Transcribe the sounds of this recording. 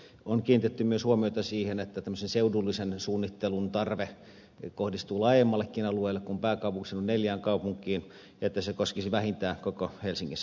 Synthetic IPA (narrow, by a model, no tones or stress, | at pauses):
onkiːnit̪et̪ːymyøshuomioit̪ɑsiːhenet̪ːæt̪æmːøsenseudulːisensuːnːit̪ːelunt̪ɑrʋe | kohdist̪uːlɑˑijemːɑlːˑekːinɑlueːlːekkumpæːkɑˑupuŋksenunneljæːŋkɑupuŋkˑiːn | jɑet̪ːæsekoskisiʋæhint̪æːkokohelsiŋːisː